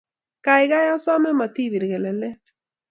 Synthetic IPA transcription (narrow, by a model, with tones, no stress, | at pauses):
kajɣa˦ja˦sa˦me˦ma˨t̪i˦βi˨ɾɣe˨le˨le˦t̪